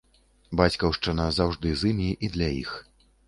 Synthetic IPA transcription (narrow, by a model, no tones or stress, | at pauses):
bat͡sʲkɐwʂt͡ʂɨnɐzawʐd̪ɨzɨmʲiʔid̪lʲɐjḭx